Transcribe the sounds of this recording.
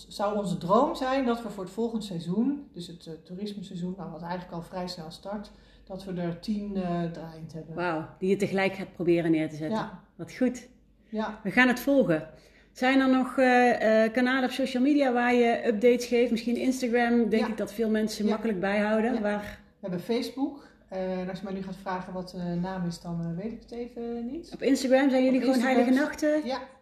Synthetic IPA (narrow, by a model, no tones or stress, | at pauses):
zɑwɔnzədrowmzɛjndɑtʋəvʊːɹətfɔlˠχəndsɛjzund̥ɵsəttuːrɪsməsɛzunawʋɑtɛjətləkɑlˠvrɛjsnɛlˠstɑɹt | d̥ɑtʋədəɹtindraːjəntɦɛbənwawd̥ijətəɣəlɛjkaːt̚prowbɪːrənɪːɹtəzɛənʋɑtxut | ʋəɣaːnɦətfɔlˠɣə | z̥ɛjndɑnɔxəkanaːləɔfsowʃəlˠmiːdijaːʋaːɹjəʔɵp̚dejtsxejftmɪsxinɪnstaɣramdɛŋkɪɡ̚dɑtfɪːlˠmɛnsəmɑkələɡ̚bɛjɦɑwdənʋaːr | ʋəɦɛbəfejzbuk | ɛnɑsjəmɛjnyχaːtfraːχəʋɑtnaːmɪsdɑnʋejtɪkətejvənitɔpɪnstaːɡramzɛjnjɵliɣəʋoːwnɦɛjləɣənɑxtə